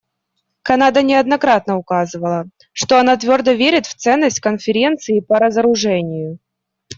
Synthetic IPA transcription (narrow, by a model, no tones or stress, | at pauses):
kɐnad̪ənʲɪɐd̪nɐkɾat̪nəʊkazɨvəlˠə | ʂt̪o̞ɐnat̪vʲo̞rd̪əvʲeɾʲɪt̪ft̪sɛnːəsʲtʲkənfʲɪɾʲe̞nt̪sɨɪpəɾəzəɾʊʐɛnʲɪjʊ